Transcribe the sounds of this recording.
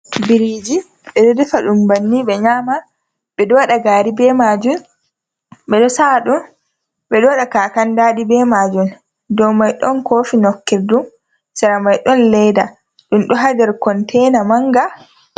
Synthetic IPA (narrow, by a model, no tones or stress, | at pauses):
biɾiːd͡ʒi | ɓɛɗɔdɛfaɗumbanːiɓɛɲaːma | bɛdɔwaɗaɡaːɾibɛːmaːd͡ʒun | ɓɛɗɔsaɗum | ɓɛɗɔwɗakaːkandaːɗibɛmaːd͡ʒun | dɔwmajɗɔnkoːfinɔkːiɾdum | sɛɾamajɗɔnlɛjda | ɗumɗɔɦadɛɾkɔntʰɛjnamaŋɡa